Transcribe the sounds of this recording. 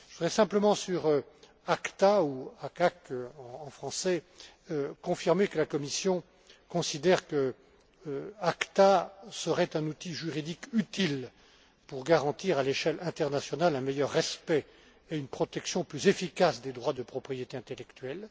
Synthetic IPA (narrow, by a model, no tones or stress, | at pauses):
ʒəvud̪ʁɛsɛ̃pləmɑ̃syʁø | akt̪auakakøɑ̃ɑ̃fχɑ̃sɛ | økɔ̃fiʁmekəlakɔmisjɔ̃ | kɔ̃sid̪ɛʁkə | akt̪asəʁɛt̪ɛ̃nut̪iʒyʁid̪ikyt̪il | puʁɡaʁɑ̃t̪iʁaleʃɛlɛ̃t̪ɛʁnasjɔnalɛ̃mejœʁːɛspɛ | eynpχɔt̪ɛksjɔ̃plyzefikasd̪ed̪ʁwad̪əpχɔpχijet̪eɛ̃t̪elɛkt̪ɥɛl